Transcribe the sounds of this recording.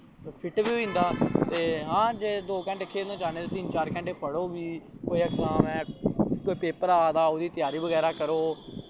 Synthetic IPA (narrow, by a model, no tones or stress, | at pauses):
soːpʰɪʈʋiːĩːnd̪aːt̪eːɦãːd͡ʒeːd̪oːkɛ̃ːɳʈeəkʰːeːnõːd͡ʒaːneːd̪eːt̪ɪnt͡ʃaːɾkɛ̃ɳʈeːpəɽoːʋiːkoːiːəksãːmɛ̃ːkoːiːpeːpəɾaːd̪aːoːd̪iːt̪ɪjaːɾiːbəɣɛːɾaːkəɾoː